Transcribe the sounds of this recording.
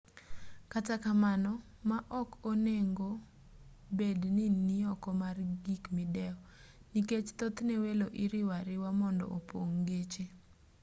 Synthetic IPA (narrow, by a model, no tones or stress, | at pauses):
katakamanɔ | maʔɔkoneŋɡo | bednɪnɪɔkɔmarɡikmɪdɛɔniket͡ʃt̪ot̪nɛweloʔɪɾɪwaɾɪwamɔndɔ̰ʔopoŋɡet͡ʃe